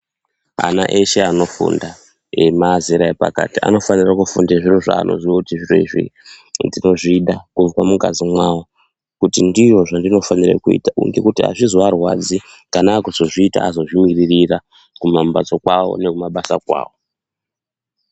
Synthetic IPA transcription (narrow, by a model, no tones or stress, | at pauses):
a̰na̰ʔeʃe̞ano̞fṵnda | emaziɾaepa̰ka̰tia̰no̞fanirakufundeʐiro̞ʐa̰ːno̞̰ziwokutiʐiroiʐḭndino̞ʐiɗakuvkwamuka̰zimwawo | kutindiʐo̞ʐandino̞fanirḛkuḭtaṵŋɡe̞kutia̰ʐizoarwa̰d͡zi | kanaːkuzoʐiːta̰azo̞ʐimiririra | kumambat͡sokwawo̰ne̞kumaɓasakwa̰ːwo̞